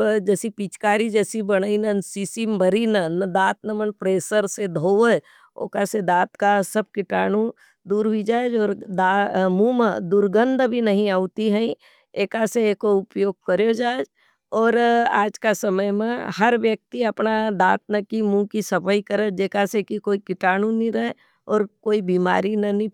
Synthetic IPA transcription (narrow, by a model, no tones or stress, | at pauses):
d͡ʒɛːsipit͡ʃkaːɾid͡ʒɛːsibɐɽ̃əinənsiːsimbʱɐɾinənd̪aːt̪nɐmənpɾeːsəɾsed̪ʱoːʋə | o̰ːkased̪aːt̪kasɐb̚kɪʈaːnu | d̪uːɾɦid͡ʒaːd͡ʒɔːɾd̪amũmə̃d̪ʊɾɡə̃nd̪ʱbʱinɐɦĩaːut̪iɦɛ̃ĩ | eːkaseeːkoʊpjoːɡ̚kəɾjod͡ʒaːed͡ʒ | ɔːɾa̰ːd͡ʒkasɐməjmẽhɐɾʋjək̚t̪iɐpnad̪aːt̪̚nəkimũkisɐpəikəɾəd͡ʒeːkasekikoːikɪʈaːnũnĩɾɐɦe | ɔːɾkoːibiːma̰ːɾinɐnĩ